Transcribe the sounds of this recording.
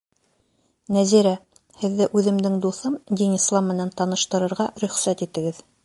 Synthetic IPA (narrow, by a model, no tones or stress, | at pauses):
næziɾæ | hɘ̆ðːɘʔʉðɘ̆md̪ɘŋd̪uθɤmd̪inislˠɑmːɘ̆nænt̪ɑnɤ̆ʃt̪ɤ̆ɾɤ̆ɾʁɑɾɵ̆χsæt̪it̪ɘ̆ɡɘð